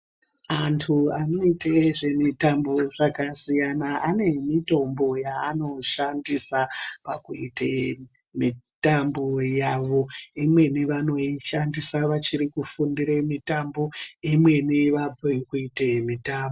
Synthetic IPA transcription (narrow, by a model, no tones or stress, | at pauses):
antʰuano̞iteʐe̞mitamboʐakasijanaane̞mito̞mbo̞jaːno̞ʃandisapakuite | mitambojaʋo̞imwe̞niʋano̞iʃandisaʋat͡ʃiɾikufundiɾemitambo̞imwe̞niʋab͡voikuitemitaːmbo